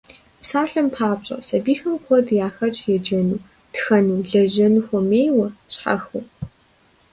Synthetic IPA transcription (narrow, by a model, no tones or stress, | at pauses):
psaːɬɐmpʰaːpɕʼɐ̰sɐbiːxɐmkʷʰɔdjaːxɐt͡ʃʼjɛd͡ʒɐnuː | txɐnuɮɐʑɐnuxʷɔmeːjwɐɕħa̰xuː